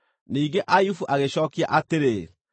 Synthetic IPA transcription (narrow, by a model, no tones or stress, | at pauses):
niːŋɡeʔajufuʔaɣeɕɔːkia̰ʔateɾe